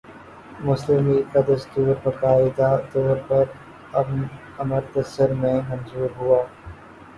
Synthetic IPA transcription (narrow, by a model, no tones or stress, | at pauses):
mʊslɪmikad̪ɐst̪uːɾbɐkaːɪd̪at̪ɔːɾpɐɾ | ɐb | ɐməɾt̪ɐsəɾmẽmɐ̃nzuːɾɦuaː